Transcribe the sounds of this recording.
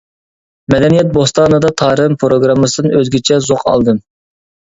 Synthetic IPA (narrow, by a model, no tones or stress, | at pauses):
mɛd̪ɛnijɛt̪̚bost̪ɑːnɨd̪ɑt̪ʰɑːɾɨmpʰɾoɡɾɑmːɨsɨd̪nɨøzɡʲit͡ʃʰɛzoqʰɑ̰lˠd̪ɨm